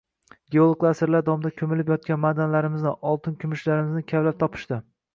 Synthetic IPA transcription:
ɡʲeolˠkʰlˠasɪɾlaɾd̪ɒmd̪akʲʰɵmɪlɪpjɒt̪̚kʲanmad̪anlaɾɪmɪznɪʔɒlˠt̪ʰɪnkʲʰʊmɪʃlaɾɪmɪznɪkʲʰavlap̚t̪ʰɒpʰɪ̥ʃt̪ɪ

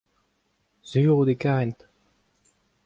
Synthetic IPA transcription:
z̥yːʁud̪ekaʁɛnt̪

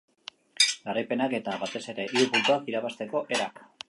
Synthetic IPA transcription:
ɡarajpe̞nake̞t̪aβat̪e̞se̞ɾe̞ʔiupult̪uakiɾaβast̪e̞ko̞ʔe̞ɾak

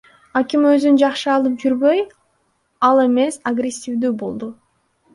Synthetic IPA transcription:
akimøzynd͡ʒɑqʃɯɑlˠɯp̚d͡ʒyɾbø̞j | ɑlˠe̞me̞saɡrʲesʲːivd̪yːbo̞lˠd̪u

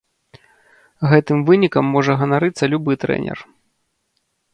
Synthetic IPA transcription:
ɣɛt̪ɨmvɨnʲikɐmːɔʐɐɣɐnaɾɨt̪sːɐlʲubɨt̪ɾɛ̰nʲɛ̰r

